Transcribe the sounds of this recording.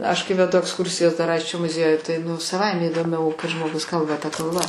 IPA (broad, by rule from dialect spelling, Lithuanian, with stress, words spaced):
ɐʃ kɐɪ ʋʲɛˈdʊ ɐksˈkʊrʲsʲɪjɛs dɐr ˈɐɪsʲt͡ʃʲoː mʊˈzʲiɛjʊj tɐɪ nʊ sɐˈʋɐɪmʲɛ iːdoːˈmʲɛʊ kɐɪ ʒmoːˈɡʊs ˈkɐlˠbɐ tɐ kɐlˠˈbɐ